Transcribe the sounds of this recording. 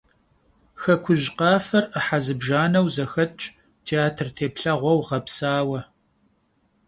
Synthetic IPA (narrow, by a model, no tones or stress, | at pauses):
xɐkʷʰʊʑqɑːfɐrəħazɨbʒaːnɐwzɐxɐt͡ʃʼ | tʰeaːtʰrtʰeːpɬɐʁʷɔwʁɐpsaːwɐ